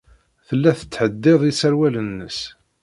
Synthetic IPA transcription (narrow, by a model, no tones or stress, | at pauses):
θəlːæθə̥t͡sːħəd̪ːɪðˤisəɾwælənːəs